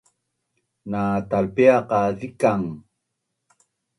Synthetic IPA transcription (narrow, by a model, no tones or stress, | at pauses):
nat̪alpeaqaðikaŋ